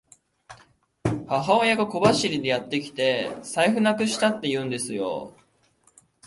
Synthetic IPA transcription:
haɦaojaɡako̞baɕiɾʲid̪e̞jat̪ːe̞kʲi̥t̪e̞saiɸɯ̟nakɯ̟ɕi̥t̪at̪ːe̞jɯ̟ːnd̪e̞sɨjo̞̰

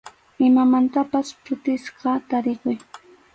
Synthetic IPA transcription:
ɪmamant̪apaspʰʊt̪ɪsqɑt̪aɾɪkʊj

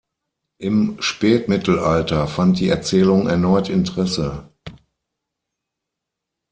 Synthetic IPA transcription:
ʔɪmʃpɛːtmɪtʰl̩ʔaltɐfant̚d̥iːɛɐt͡sɛːlʊŋɛɐnɔʏtɪntəʁ̥ɛsə

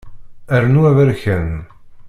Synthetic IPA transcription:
æɾnuævəɾçən

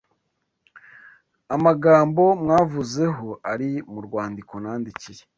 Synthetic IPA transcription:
amaɡaːmbo̞mŋaːvuze̞ɦo̞ʔaɾimuɾɡwaːndiko̞naːndiciɾe

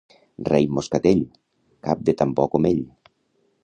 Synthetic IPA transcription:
rejmoskat̪eʎ | kap̚d̪et̪ampɔkomeʎ

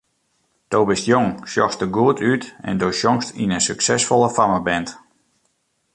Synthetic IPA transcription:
d̥oːbɪstjoŋʃjɔstəɡuətʰytɛ̰ndoʃjɔŋstinənsyksɛsfɔlˠəfaməbɛnt

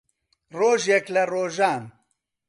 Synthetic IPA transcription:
roːʒjɛklɐroːʒaːn

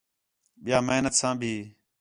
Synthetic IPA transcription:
ɓɪjaːməɦnət̪sãːbʱiː

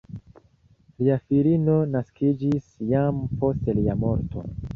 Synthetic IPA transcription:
liafilino̞naskid͡ʒisjampo̞steliamo̞ɾtʰo̞̰

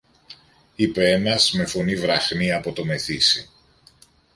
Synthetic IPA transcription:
ipe̞e̞nɐzme̞fo̞nivɾɐxniɐpo̞t̪o̞me̞θisi

